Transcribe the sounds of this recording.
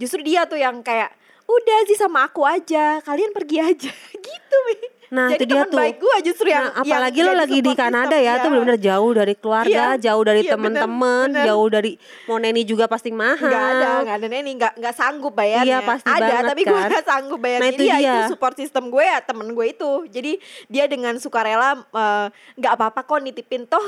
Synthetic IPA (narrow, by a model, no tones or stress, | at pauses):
d͡ʒust̪ɾudiat̪ujaŋkajaʔ | udahsisamaːkuad͡ʒakalianpərɡiad͡ʒaɡit̪uɛ | naht̪utdiaənʊbik̚ɡuad͡ʒust̪ɾujaaaalaɡilalaɡidikanadajat̪ubəlbənərd͡ʒaʊhdaɾikəluarɡad͡ʒaʊhdaɾit̪əmənt̪əmənd͡ʒaʊhdaɾi | monenid͡ʒuɡapast̪imaɦaadaɡadanɛniŋɡaʔŋɡaʔsaŋɡʊp̚bajarijaapast̪iabadatət̪apikauaasaŋɡʊp̚bajanaid̪uiiasupɔrt̪sist̪əmɡuɛjat̪əmənɡuɛit̪ud͡ʒadidiadəŋansukaɾelaəːŋɡaʔːpaːpakonit̪ipɪnt̪ɔh